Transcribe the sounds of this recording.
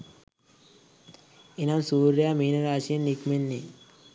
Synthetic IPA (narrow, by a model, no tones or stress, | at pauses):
inamsuːɾjamiːnɐɾaːsiənːikmenːi